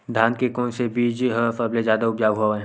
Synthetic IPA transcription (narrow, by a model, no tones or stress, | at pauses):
d̪ʱãːnkekɔːnsebiːd͡ʒɦəfɐblezjaːd̪aʊbd͡ʒaːʋɦuaɛ̃